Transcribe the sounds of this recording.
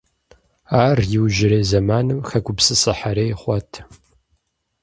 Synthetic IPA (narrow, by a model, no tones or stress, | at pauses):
aːrjɪwʒɪɾeːzɐmaːnɨmxɐɡʷʊpsɨsɨħaɾeːjχʷɔtʰ